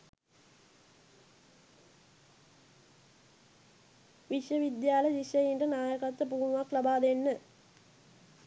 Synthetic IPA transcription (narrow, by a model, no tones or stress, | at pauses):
ʋiʂjɐʋid̪jaːlɐd͡ʒiʃjɐjinɖɐnaːjɐkɐt̪ːɐpumʋaklɐbaːd̪enːɨ